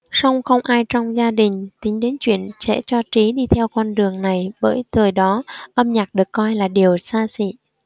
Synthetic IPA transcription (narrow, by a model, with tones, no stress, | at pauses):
sa˧wŋ͡mxə˧wŋ͡mʔaː˧jt͡ɕɔ˧wŋ͡mzaː˧ɗï˨˩ŋ̟t̪ï˨˦ŋ̟ɗe˨˦nt͡ɕwḭ˧˨ənsɛ̰˧˥t͡ɕɔ˧t͡ɕi˨˦ɗi˧t̪ʰɛ˧wkwa˧nɗɨ˨˩əŋna˨˩jɓə̰ː˧˩jt̪ʰɨː˨˩jɗɔ˨˦ʔə˧mɲaː˨˩k̚ɗɨ˨˩ə˩kːɔ˧jlaː˨˩ɗi˨˩əwsaː˧sḭ˧˥˨